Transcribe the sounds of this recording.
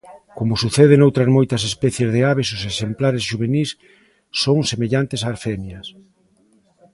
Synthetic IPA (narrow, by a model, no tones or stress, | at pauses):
komʊsuθeðenowt̪ɾɐzmojt̪ɐsespɛθjezðeaβesʊsesemplaɾesʃuβ̞enisː | oŋsemeʎant̪esaːɾfemjɐs